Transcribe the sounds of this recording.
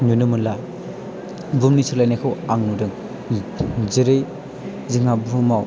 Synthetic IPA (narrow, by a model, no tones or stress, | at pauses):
ɲunɯmɯnla | bumnisʰɯɾlajnakʰɯwaŋnudɯŋ | zɯɾɯj | ziŋabumaw